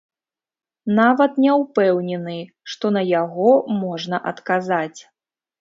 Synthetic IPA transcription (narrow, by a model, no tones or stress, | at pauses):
navɐt̪nʲɛwpɛwnʲɛnɨ | ʂt̪ɔn̪ɐjaɣɔmɔʐnɐʔɐt̪kazat͡sʲ